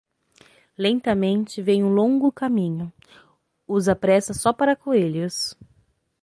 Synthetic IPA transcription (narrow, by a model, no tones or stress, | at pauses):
lẽnt̪ɐmẽnt͡ʃɪvẽj̃ũlõŋɡʊkamĩɲʊ | uzɐpɾɛsɐsɔpaɾɐkoelʊs